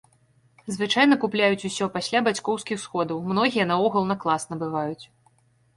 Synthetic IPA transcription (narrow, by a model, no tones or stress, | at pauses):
zvɨt͡ʂajnɐkuplʲajut͡sʲusʲɔpasʲlʲabat͡sʲkɔwskʲixsxɔd̪ɐwmnɔɣʲijɐnɐɔɣɐlˠnɐklˠasnɐbɨvajut͡sʲ